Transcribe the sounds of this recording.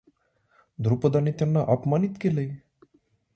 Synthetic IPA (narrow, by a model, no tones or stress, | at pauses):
d̪ʱɾupɔd̪ʌnit̪jʌnːʌʔʌpmanit̪kelej